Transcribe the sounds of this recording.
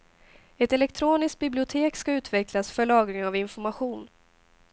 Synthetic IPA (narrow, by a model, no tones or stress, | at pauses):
ɛt̪ɛlɛk̚t̪ʰɾoːnɪst̪̚bɪblɪʊt̪ʰeːkskaʉ̟ːt̪vɛkʰlasfœɭɑːɡɾɪŋavɪnfɔɾmaɧuːn